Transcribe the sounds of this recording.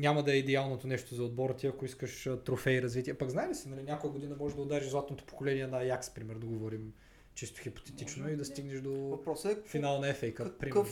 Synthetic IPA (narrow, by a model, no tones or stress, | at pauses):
nʲamɐd̪ɐɛid̪ɛalˠnot̪onɛʃt̪ozɐod̪̚bɔɾət̪iɐkoiskəʃt̪ɾofɛiɾɐzvit̪iɛpɐɡznaɛlisinɐlinʲakojɐɡod̪inɐmɔʒɛʒd̪ɐoʊd̪aɾiʒzlˠat̪not̪o̥po̥kolɛniɛnɐjakspɾimɛɾd̪ɐɡovɔɾim | t͡ʃist̪o̥xipo̥t̪ɛt̪it͡ʃnoid̪ɐst̪iɡnɛʃd̪ovɐpɾɔsɛfinalˠnɐɛfɛjkəkpɾiə